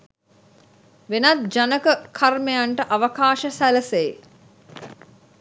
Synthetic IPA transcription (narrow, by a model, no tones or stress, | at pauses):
ʋenɐt̪̚d͡ʒanəkəkʰarmejaɳʈəʔaʋəkaːʃəsæləsej